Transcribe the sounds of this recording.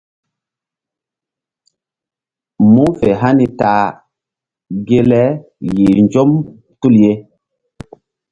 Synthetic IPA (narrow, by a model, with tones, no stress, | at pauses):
mu˦fe˨ɦa˦ni˨ta˨ | ɡe˦lɛ˦ | ji˨ɲd͡ʒo˦m | tu˦lje˦